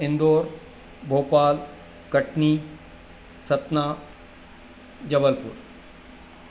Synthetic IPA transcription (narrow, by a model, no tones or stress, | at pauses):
ɪ̃nd̪oːɾ | bʱoːpaːl | kɐʈniː | sɐt̪naː | d͡ʑɐbəlpʊ̰ɾ